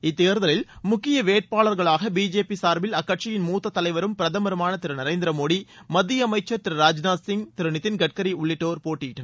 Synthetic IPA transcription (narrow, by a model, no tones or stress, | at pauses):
ɪt̪ːeːɾðɐlɪlmʊkːɪjɐʋeːʈ̚paːɭɐɾɣɐɭaːɣɐbiːd͡ʒeːpisaːɾbɪlɐkːɐʈ̚t͡ʃɪjɪnmuːt̪ːɐt̪ːɐlɐɪʋɐɾɯmpɪɾɐðɐmɐɾɯmaːnɐt̪ɪɾɯnɐɪɾɐɪnd̪ɪɾɐmoːɽimɐd̪ːɪjɐmɐɪt͡ʃːɐt̪ɪɾɾaːd͡ʒnaːsɪŋt̪ɪɾɯnɪt̪ːɪnɡɐʈ̚kɐɾiʊɭːɪʈːoːɾpoːʈːiʈːɐ